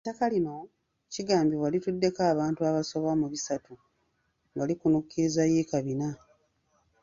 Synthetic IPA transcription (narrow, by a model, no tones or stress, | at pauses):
etːakalino̞ | ciɡaːmbiβwalitudːe̞kaːβaːntuaβaso̞βamuβisatu | ŋɡalikunukːiɾizajiːkaβina